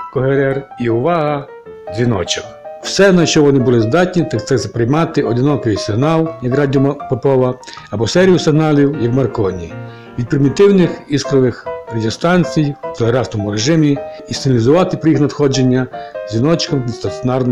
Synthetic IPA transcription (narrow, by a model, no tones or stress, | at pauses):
kɔɦeɾɛriʊʋɑɦɐ | zʲʋʲinɔ̰t͡ʃɔk | w̥sɛnɐʃt͡ʃɔʋɔnɪbʊlˠɪzd̪ɑtʲnʲit̪akt̪ɛzɐpɾejmɑt̪ɪɔd̪ɪnɔkɔʋɪsɪɦnɑlˠjɐkrɑdʲiɔpepɔʋɐ | ɐbɔsɛɾʲijʊsɪɦnɑlʲiwjɐkmɐrkɔnʲḭ | ʋʲid̪̚pɾɪmʲit̪ɪwnɪxiskɾɔʋɪxrɐdʲiɔst̪ɑnʲt͡sʲijwt̪elˠeɾɑsnɔmʊɾeʒɪmʲi | isɪnʲɐlʲizʊʋɑt̪ɪpɾɔjixnɐd̪xɔd͡ʒenʲːɐz̥ʲʋʲinɔt͡ʃkɐmʲid̪st̪ɐnsʲɔnɑrn